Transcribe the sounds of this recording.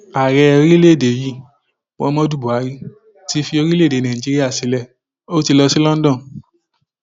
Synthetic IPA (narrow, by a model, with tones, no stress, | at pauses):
a˨ɾɛ˧o˧ɾi˦le˦˨de˨ji˦˨ | wɔ̰̃˧˦mɔ̃˦du˦˨bu˨a˨˦ɾi˦ | ti˧fi˧o˧ɾi˦le˦˨de˨˦nã˨i˨d͡ʒi˨˦ɾi˦a˦˨si˨˦lɛ˦˨ | o˦ti˧lɔ˧si˦lɔ̃˦n̩˦dɔ̃˦˨